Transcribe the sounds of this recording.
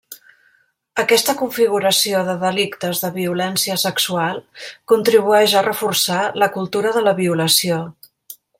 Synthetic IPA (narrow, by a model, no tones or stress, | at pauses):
əkɛst̪əkuɱfiɣ̞uɾəsioðəðəlikt̪əzðəβiulɛnsiəsəksualˠkunt̪ɾiβuɛʒərəfursaləkulˠt̪uɾəðələβiuləsio